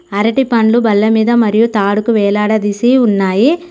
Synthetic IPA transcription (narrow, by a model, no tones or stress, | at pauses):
ɐɾɐʈipɐnlubɐlːɐmiːd̪ɐmɐɾijut̪aːɽukuʋɛːlaːɽɐd̪isiunːaːji